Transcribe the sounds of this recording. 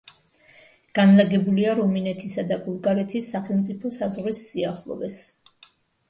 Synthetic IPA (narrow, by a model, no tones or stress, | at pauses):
ɡ̥anlaɡɛbuliaɾɔminɛt̪ʰisad̪abulˠɡaɾɛt̪ʰisːaχɛlˠmt̪sʼipʰɔsazʁɾisːiaχlˠɔ̰vɛs